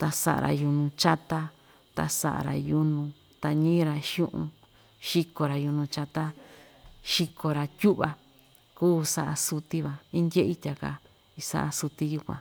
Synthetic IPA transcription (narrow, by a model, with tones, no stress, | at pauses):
t̪a˧sa̰˧˨ʔa̰˨ɾa̰˧ju˧nũ˧t͡ʃa˦t̪a˦ | t̪a̰˧sa̰˧ʔa̰˨ɾa̰˨ju˧nũ˧ | t̪a˧ɲĩ˦ɾa˧ʃjũ˦ʔṵ̃˧ | ʃi˦ko˧ɾa˨ju˧nũ˧t͡ʃa˧t̪a˦ | ʃi˧kʰo˧ɾa˧t̪ʲu˦βa˧ | kuː˦sa˧ʔa˧su˧t̪i˦βa˨ĩ˦nd̪ʲe˦ʔi˦t̪ʲa˨ka̰˧ | i˧sa̰˦ʔa˧su˧t̪i˧ju˧kʷã̰˨